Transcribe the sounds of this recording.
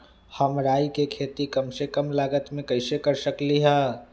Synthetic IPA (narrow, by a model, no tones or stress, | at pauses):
həmɾaːikekʰeːt̪ikɐmsekəmlaːɡət̪mẽkɐɪsekəɾsəkliɦɛː